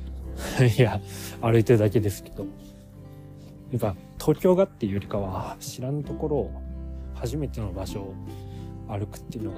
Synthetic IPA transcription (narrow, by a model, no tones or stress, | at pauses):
iaaɾɯ̟it̪eɯd̪ake̞d̪e̞sɨ̥ke̞d̪̥o̞ | naŋka | t̪ʰo̞ːkʲo̞ːɡat̪ːejoɾʲikaβaɕiɾanat̪o̞ko̞ɾo̞ːhaʑime̞t̪e̞no̞baɕo̞ | aɾɯ̟kɯ̟̥t̪ːeiɯ̟noɡa